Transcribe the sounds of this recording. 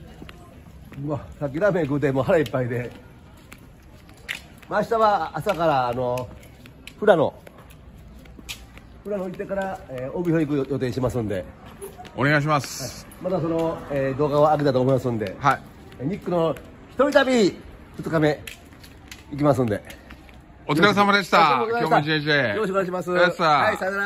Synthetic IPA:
mosak̬ʲːiɾame̞kɯ̟t̪emo̞ːɦaɾaipːaid̪e̞ | maːɕi̥t̪aβaːsakaɾaːno̞ | ɸɯ̟ɾano̞ | ɸɯ̟ɾanoit̪ːe̞kaɾaeːobihoik̬ɯjo̞t̪e̞ːɕimasɨ̃nd̪e̞ | o̰neɡaiɕ̬imasɨ̥a | mat̪asono̞eːd̪o̞ːɡaak̬et̪at̪oːmo̞imasɨ̃nd̪e̞̰hai | ɲ̟ikːɯno̞ | çi̥t̪o̞ɾʲit̪abʲi | ɸɯ̟t͡sɨ̥kame̞ | ik̬ʲimas̬ɨ̃nd̪e̞̰ | ot͡skaɾes̬amad̪eɕt̪aajoːeʑejoɕ̬koneaiɕimasɨaasana

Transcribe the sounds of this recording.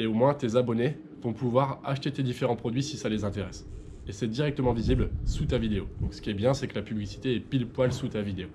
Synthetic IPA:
eomwɛ̃t̪ezabɔne | vɔ̃puvwaʁaʃt̪et̪ed̪ifeʁɑ̃pχɔd̪ɥisisalezɛ̃t̪eʁɛs | esɛd̪iʁɛk̚t̪əmɑ̃viziblsut̪avid̪eod̪ɔ̃ksə̥kʲiɛbjɛ̃sɛkəlapyblisi̥t̪eɛpilpwalsut̪avid̪eo

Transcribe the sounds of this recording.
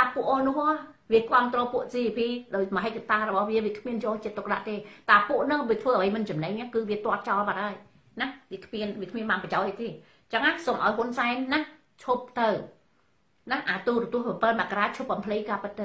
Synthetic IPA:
t̪aːpŭəʔoːnʊ̆əhʔɔ | ʋiəkŏəmt̪rɔːpuəʔsiːʋipʰiːɗaɔjmɔɦec̚kːat̪aːɾɔɓɑhʋiəʋiəkʰmiənjoːt͡ɕiət̪ːʊk̚ɗa̰ʔt̪eːt̪aːpuəʔnɨŋʋiət̪ʰʋəːʔəʋəjmɨnt͡ɕɑmnɛɲnakɨːʋiət̪ŏət̪̚t͡ɕɑlpat̪̚haəj | nahʋiəkʰmiənʋiəkʰmiənɓaːnpət͡ɕaɔc̚ʔəjt̪eː | t͡ɕəŋːasomʔaɔjɦunsaɛnːah | t͡ɕʰup̚t̪ɨw | nahʔaːt̪uːɾt̪ŭəpɑpəlmɛ̆əʔkaɾaːt͡ɕʰup̚ɓɑmpʰlɨjkaːpɨt̪̚ːɨw

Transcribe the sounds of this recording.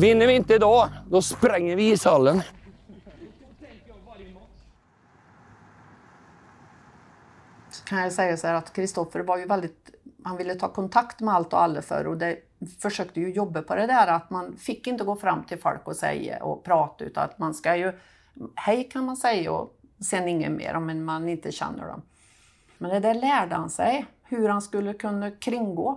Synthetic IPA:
vɪnːəɾɪɪnt̪əd̪ɑːd̪ɔspɾɛŋːəɾvɪɪsalːən | skʰanjajsɛjːasɔhæːɾat̪kʰɾɪst̪ɔfəɾvaɾjɵvɛld̪ɪt̪hanvɪlːət̪ʰɑ̰ːkʰɔnt̪ʰakt̪mɛalt̪ɔ̰alːəfœ̰ɾɔd̪ɛ | fœʂøːkt̪əjɵjɔbːapʰɔd̪ɛd̪æːɾat̪manfɪkːɪnt̪əɡoːfɾamːt̪ʰɪlfɔ̰lkɔsɛ̰jːa̰ʔɔ̰pʰɾɑːt̪aʉ̰ːt̪a̰na̰t̪manskajɵ | hɛjkʰanmansɛjːa̰ɔ̰ | sɛːnɪŋːə̰nmḛːɾʔɔmːɛnmanɪnt̪əɕɛ̰nːə̰ɖɔ̰m | mɛnd̪ɛd̪æɭæːɖəhansɛj | hɵɾhanskɵlːəkʰɵnːakʰɾɪŋːɡoː

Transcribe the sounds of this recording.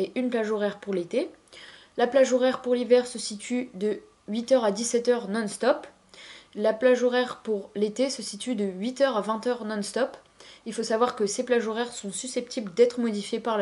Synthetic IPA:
eʔynplaʒoʁɛʁpuʁlet̪e | laplaʒoʁɛʁpuʁlivɛʁsəsit̪ʰyd̪ə | ɥit̪œʁad̪isɛt̪œʁnɔ̃nst̪ɔp | laplaʒoʁɛʁpuʁlet̪esəsit̪yd̪əɥit̪œʁavɛ̃t̪œʁnɔ̃nst̪ɔp | ilfosavwaʁkəseplaʒoʁɛʁsɔ̃sysɛp̚t̪ʰibld̪ɛt̪χəmɔd̪ifjepaʁl

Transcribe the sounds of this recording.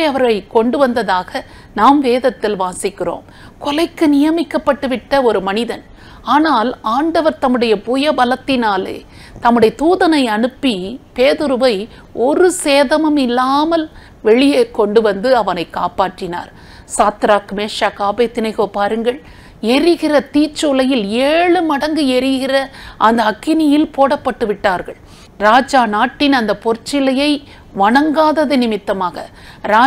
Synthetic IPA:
ɐʋɐɾɣɐɭkɔɳɖɯʋɐnd̪ɐðaːɣɐ | naːmʋeːðɐt̪ːɪlʋaːsɪkːɪro̰ːm | kɔlɐɪkːɯnɪjɐmɪkːɐpːɐʈːɯʋɪʈːɐɔɾɯmɐnɪðɐn | aːnaːlaːɳɖɐʋɐɾt̪ɐmːɯɽɐjɐpujɐbɐlɐt̪ːɪnaːlḛː | t̪ɐmːɯɽɐjɐt̪uːðɐnɐɪɐɳɯpːipeːðɯɾɯʋɐɪ | ʔɔɾɯseːðɐmɐmɪlːaːmɐl | ʋɛɭɪjeːkɔɳɖɯʋɐnd̪ɯɐʋɐnɐɪkːa̰ːpaːʈːɪna̰ːɾ | saːt̪ɾaːkmeːʂaːkaːbeːt̪ːɪnɐɪɣoːpaːɾɯŋɡɐɭ | ɛɾɪɣɪrɐt̪iːt͡ʃːʊlɐjɪleːɭɯmɐɽɐŋɡɯɛɾɪɣɪrɐʔɐnd̪ɐːkːɪnɪjɪlpoːɽɐpːɐʈːɯʋɪʈːaːɾɣɐ̰ɭ | ɾaːd͡ʒaːnaːʈːɪnɐnd̪ɐpɔɾt͡ʃːɪlɐjɐɪ | ʋɐɳɐŋɡaːðɐðɯnɪmɪt̪ːɐmaːɣɐ | ɾaː

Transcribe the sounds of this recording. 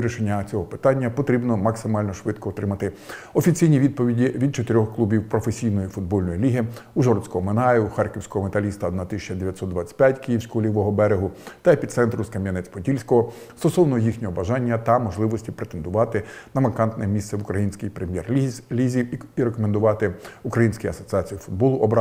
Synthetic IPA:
ɾʲiʃenʲːɐt͡sʲɔɦɔpɪ̥t̪ɑnʲːɐpɔt̪ɾʲibnɔmɐksɪmɑlʲnɔʃʋɪt̪kɔːt̪ɾɪmɐt̪ɪ | ɔfʲit͡sʲijnʲiʋʲid̪̚pɔʋʲidʲiʋʲid̪̚t͡ʃɔt̪eɾʲɔxklˠubʲiwpɾɔfesʲijnɔjifʊd̪̚bɔlʲnɔjilʲiɦɪuʒɔrt̪sʲkɔɦɔmenɑjʊuxɑrkɪwsʲkɔɦɔmet̪ɐlʲist̪ɐːd̪nɑt̪ɪsʲit͡ʃɐd̪eʋʲjɐt̪sɔtd̪d̪ʋɑt͡sʲɐ̥tʲpʲjatʲkɪjiwsʲkɔɦɔlʲiʋɔɦɔbɛɾeɦʊt̪ɐepʲit̪sɛnt̪ɾʊskɐmʲjɐnɛt͡sʲpɔtʲilʲsʲkɔɦɔst̪ɔsɔwnɔɔjixnʲɔɦɔbɐʒɑnʲːɐt̪ɐmɔʒlˠɪʋɔsʲtʲipɾet̪end̪ʊʋɑt̪ɪnɐmɐkɑnt̪nɛmʲist̪sɛʋʊkɾɐjinʲsʲkɪjpɾemʲjɛrlʲizʲiwiɾekɔmend̪ʊʋɑt̪ɪukɾɐjinʲsʲkijɐsɔt͡sʲiɑt͡sʲijʊfʊd̪̚bɔlˠʊʔɔb

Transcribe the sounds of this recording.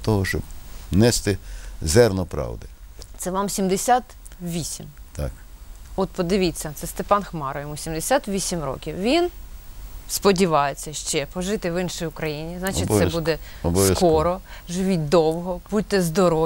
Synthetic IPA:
t̪ɔɦɔʃt͡ʃɔb̚nɛst̪ɪzɛrnɔpɾɑ̰wd̪ɪt̪sɛʋɑmsʲimd̪esʲat̪ʋʲisʲimt̪a̰k | ɔt̪pɔd̪ɪʋʲit͡sʲːɐt̪sɛst̪epɑnxmɑɾɔʋʲjimusʲimd̪esʲat̪ʋʲisʲimrɔ̰kʲiwʋʲin | spɔdʲiʋɑjet͡sʲːɐʃt͡ʃɛpɔʒɪt̪ɪʋɪnʃɔjʊkɾɐjinʲiznɑt͡ʃɪtb̪ɛbud̪ɛɔbɔʋ̪ɐsk̪ɔɾɔʒɪʋʲit̚ʲd̪ɔwɦɔb̥ut̪ːɛzd̪ɔɾɔ

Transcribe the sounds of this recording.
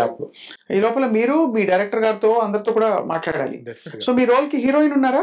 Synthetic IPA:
pɽiːlɔːpɐlɐmiːɾumiːɖɐjɾek̚ʈɐɾɡaːɾt̪o̞ːɐnd̪ɐɾɐt̪oːkuːɽaːma̰ːʈlaːɽa̰ːlḭso̞ːmiːɾoːlkiɦiːɾoːinunːaːɾaː

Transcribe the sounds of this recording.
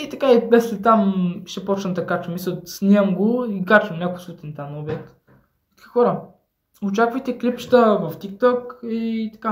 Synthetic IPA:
it̪ɐkaibɛslɛt̪amʃɛpɔt͡ʃnət̪ɐkat͡ʃɐmisɛsnʲiəmɡoikat͡ʃɐmnʲakʊsvut̪ɛnt̪anobɛk̚t̪ | i̥ki̥xɔɾə | ot͡ʃakvəjt̪ɛklipʃt̪əvɐft̪ik̚t̪ɔkit̪ɐ̥ka

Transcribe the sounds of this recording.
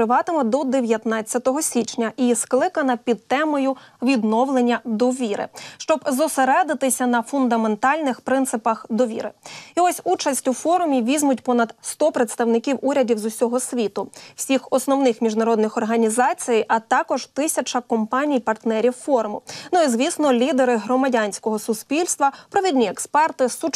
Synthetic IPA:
ɪʋɑt̪ɪmɔd̪ɔd̪eʋʲjɐt̪nɑt͡sʲːɐt̪ɔɦɔsʲit͡ʃnʲɐʔisklˠɪkɐnɐpʲid̪̚t̪ɛmɔjʊʋʲid̪nɔwlˠenʲːɐd̪ɔʋʲiɾɪ̰ʃt͡ʃɔbzɔseɾɛd̪ɪt̪ɪsʲɐnɐfʊnd̪ɐment̪ɑlʲnɪxpɾɪnt̪sɪpɐxd̪ɔʋʲḭɾɪ̰iɔsʲut͡ʃɐsʲtʲufɔɾʊmʲiʋʲizʲmʊtʲpɔnɐd̪st̪ɔpɾet̪st̪ɐwnɪkʲiwuɾʲɐdʲiwzʊsʲɔɦɔsʲʋʲit̪ʊw̥sʲixɔsnɔwnɪxmʲiʒnɐɾɔd̪nɪxɔrɦɐnʲizɑt͡sʲijijʔɐt̪ɑkɔʒt̪ɪsʲɐt͡ʃɐkɔmpɑnʲijpɐrt̪nɛɾʲiwfɔɾmʊnuizʋʲisnɔlʲid̪eɾɪɦɾɔmɐdʲanʲsʲkɔɦɔsʊspʲilʲst̪ʋɐpɾɔʋʲidʲnʲiɛkspɛrt̪ɪsu

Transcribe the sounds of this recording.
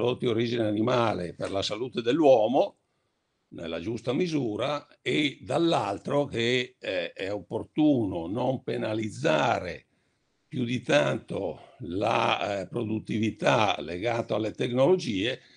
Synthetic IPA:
ɾd̪ot̪ːioɾiːd͡ʒineanimaːlḛperlasalut̪ed̪elːwɔːmo | nḛlːa̰d͡ʒust̪amizuːɾa | ed̪alːalt̪ɾoke | ɛopːort̪uːnonompenalid̪zːaːɾḛ | pjud̪it̪ant̪ola̰pɾod̪ut̪ːivit̪aleɡaːt̪oalːet̪eknolod͡ʒiːe

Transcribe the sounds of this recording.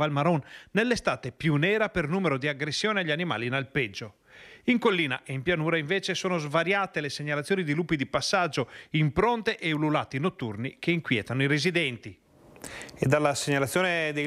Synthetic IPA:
valmaɾɔnːelːest̪aːt̪epjunɛːɾapernuːmeɾod̪iaɡɾesːjɔːneaʎːianima̰ːlinalpɛd͡ʒːo | iŋkolːiːna̰ʔeimpjanuːɾaiɱvɛːt͡ʃesoːnozvaɾjaːt̪eleseɲalat̪sːjoːnid̪iluːpːid̪ipasːad͡ʒːoimpɾɔnt̪eʔeululat̪inot̪ːṵrnikeiŋkwjɛ̰ːt̪anoiɾezid̪ɛnt̪i | ed̪alːaseɲalat̪sjoːned̪e

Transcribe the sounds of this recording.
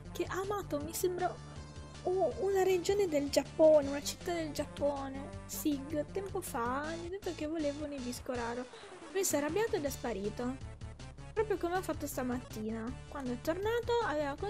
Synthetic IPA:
keʔaːmaːt̪omisembɾa | uunaɾed͡ʒoːned̪eld͡ʒapːoːneunat͡ʃi̥t̪ːad̪eld͡ʒapːoːnesiɡt̪ɛmpofaɲːid̪et̪ːokevːoleːvoniviskoɾaːɾo | vesarabjaːt̪oed̪ɛspaɾiːt̪o | pɾɔːpɾjokomeafːat̪ːost̪amat̪ːiːnakwand̪oɛt̪ːornaːt̪oaveːvako

